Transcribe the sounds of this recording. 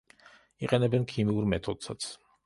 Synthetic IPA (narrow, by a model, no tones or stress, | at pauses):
iqʼɛnɛbɛnkʰimiuɾmɛt̪ʰɔd̪sat̪sʰ